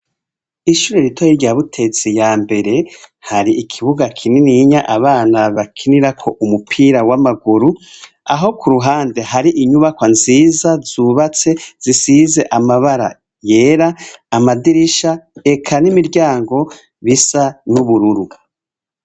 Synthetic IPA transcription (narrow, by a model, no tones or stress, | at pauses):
iʃuːɾeɾitʰojiɾɟaβutʰe̞t͡sijaːmbe̞ɾe̞haɾiikʰiβuɡakʰininiɲaʔaβaːnaβakʰiniɾakʰo̞ʔumupʰiːɾawamaɡuɾu | a̰ɦo̞kuɾuɦaːnde̞ɦaɾiʔiɲuβakwanziːzazuːβat͡se̞z̥isize̞ʔamaβaɾa̰ | je̞ːɾaːmadiɾiʃae̞kʰanimiɾɟaːŋɡo̞ | βisanuβuɾuɾua